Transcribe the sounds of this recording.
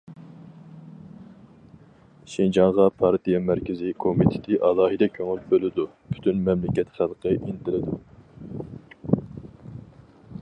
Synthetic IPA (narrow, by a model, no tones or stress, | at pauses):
ʃind͡ʒɑŋʁɑpʰɑɾt̪ijɛmæɾkʲɪzɪkʰomit̪ʰɪ̥t̪ʰɪʔɑlˠɑːɦɨd̪ɛkʲʰøŋylbølɪd̪u | pʰy̥t̪ʰynmɛmlɪkʲɛt̪χælˠqʰəʔinɪt̪ʰɪlɪd̪u